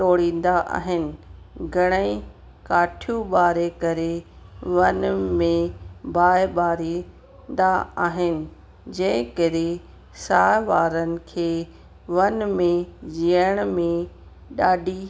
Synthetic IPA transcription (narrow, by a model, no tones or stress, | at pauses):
ʈoːɽĩːn̆d̪aʔa̰ːɦɪnɪ̆ɡʱɐɽ̃əĩ | kaːʈʰijũɓaːɾekɐɾeʋɐnmẽbʱaːɪɓaːɾiː | nd̪aaːɦɪnɪ̆ | d͡ʑɐ̃ɦɪ̃kəɾe | saːʋaːɾənɪ̆kʰeː | ʋɐnmẽd͡ʑiəɽ̃mẽ | ɗaːɖʱi